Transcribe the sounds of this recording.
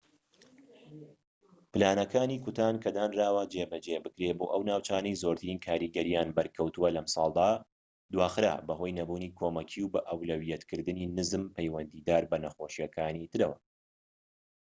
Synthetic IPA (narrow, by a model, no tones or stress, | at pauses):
pɨlaːnɐkaːniːkʊt̪aːnkʰɐd̪aːnraːwɐd͡ʒebɐd͡ʒebɨkɾeboːʔɐwnaːwt͡ʃaːnɐjzoɾt̪ɨɾiːnkʰaːɾiːɡɐɾijaːnbɐɾkʰɐwt̪uwɐlɐmsˤɑ̰ːlˠd̪aː | d̪waːxɨɾa̰ːbɐɦo̞jnɐbuːniːkʰoːmɐkʰiwbɐʔɐwlɐwijɛt̪kʰɨɾd̪ɨniːnɨzɨmpʰɐjwɐnd̪iːd̪aːɾbɐnɐxoːʃijɐkʰaːnit̪ɨɾɐwɐ̰